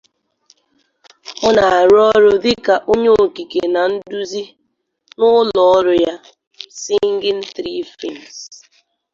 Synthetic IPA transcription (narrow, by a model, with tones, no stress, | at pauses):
ɔ˦na˨ɾɔ˦ɾʊ˦dɪ˦ka˨ʔo˦ɲo˦o˨ki˨ke˨na˨n̩˦du˦zi˦ | nʊ˦lɔ˨ɔ˦ɾʊ˨ja˦ | sɪ˦ŋ̩˦ɡɪ˦n̩˦θɾi˦fi˦˨n˨s